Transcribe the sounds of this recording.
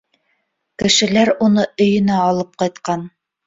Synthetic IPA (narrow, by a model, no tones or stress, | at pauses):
kɘ̆ʃɘ̆læɾunɤʔɵ̆jɵ̆næɑlˠɤp̚qɑjt̪qɑn